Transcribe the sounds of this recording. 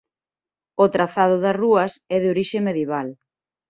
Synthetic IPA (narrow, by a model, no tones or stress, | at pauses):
ot̪ɾaθað̞ʊðɐsruɐsɛðeoɾiʃemeðjeβal